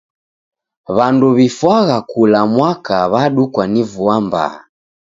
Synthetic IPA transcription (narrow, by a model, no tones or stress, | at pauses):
βanduβifwaɣakulamwakaβaɗukwanivuamba̰ː